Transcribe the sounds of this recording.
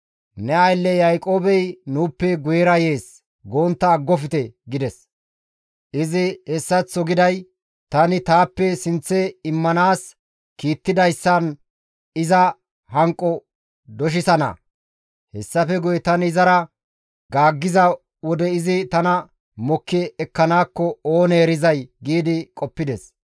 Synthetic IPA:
nɛɐjlːɛjɐjkʼo̞ːbɛjnuːpːɛɡʊjɛɾɐje̞ːs | ɡoːnt̪ːɐːɡːɔfɪt̪ɛɡɪd̪ɛs | ʔɪzɪhɛsːɐt͡sːɔɡɪd̪ɐj | t̪ɐnɪt̪aːpːɛsɪnt͡sːɛɪmːɐnaːs | kiːt̪ːɪd̪ɐjsːɐn | ɪzɐ | hɐŋkʼːɔ | d̪ɔʃ̬ɪsɐnɐ̰ | hɛsːɐfɛɡʊjɛt̪ɐnɪzɐɾɐ | ɡaːɡːɪzɐ | wɔd̪ɛɪzɪt̪ɐnɐ | mɔkːɛːkːɐnaːkːɔoːneːɾɪzɐjɡiːd̪ɪkʼɔpːɪd̪ɛs

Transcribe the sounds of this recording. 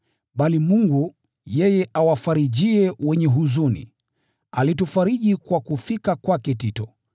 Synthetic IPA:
ɓalimuŋɡu | jɛjɛʔawafaɾiʄiɛwɛɲɛɦuzunḭ | alitufaɾiʄikwakufikakwakɛtitɔ

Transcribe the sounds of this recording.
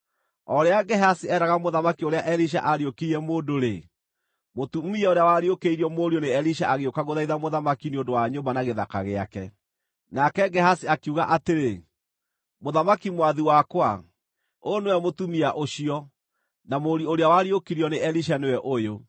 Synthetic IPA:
ɔɾeaɡɛɦasiɛɾaɣamoðamakioɾeaʔɛɾiʃ̬a̰ʔaɾiokiɾiɛmoːndoɾe | motumiɛoɾeawaɾiokeiɾiɔmoɾioneɛliʃaʔaɣeokaɣoðaiðamoðamakineondowaɲombanaɣeða̰ka̰ɣea̰kɛ | nakɛɡɛhasiakuɣaʔateɾe | moðamakimwaðiwakwa | onewɛmotumiaʔoɕiɔ | namoɾioɾeawaɾiokiɾiɔneʔɛliʃ̬anewɛʔojo

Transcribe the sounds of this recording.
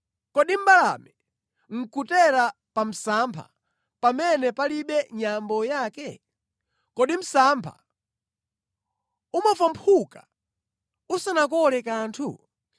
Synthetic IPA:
kɔɗim̩balamɛ | ŋ̩kutɛɾa | pam̩sampʰa̰ | pamɛnɛpaliɓɛɲambɔjaːkɛ | kɔɗim̩sampʰa̰ | umavampʰuka | usanak̬ɔlɛkaːntʰṵ

